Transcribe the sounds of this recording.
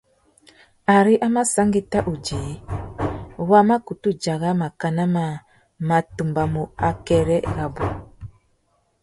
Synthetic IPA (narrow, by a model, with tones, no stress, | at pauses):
a˨ɾi˦ʔa˦ma˦sa˦ŋɡi˦ta˦ʔu˨d͡ʒi˨˦ | wa˦ma˦ku˨tu˦d͡ʒa˨ɣa˦ma˨ka˨na˦ma˨ | ma˨tu˨mba˨mu˨a˨kɛ˨ɾɛ˦ɣa˨bu˨